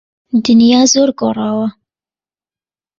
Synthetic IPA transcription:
d̪ɨnjɑːzoːɾɡoːrˤɑːwɐ

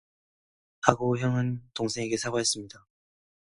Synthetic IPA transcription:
aɡoçjʌŋɯntoŋsʰe̞ŋeɡe̞sʰabaɦes͈ɯmɲida

